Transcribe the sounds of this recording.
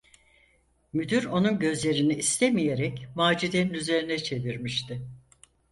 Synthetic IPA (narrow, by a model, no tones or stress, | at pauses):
myd̪yɾo̞nunɟø̞zlʲe̞ɾiniːst̪ʰɛmije̞ɾɛcmaːd͡ʒid̪eninyze̞ɾinɛt͡ʃʰe̞viɾmiʃt̪ʰɪ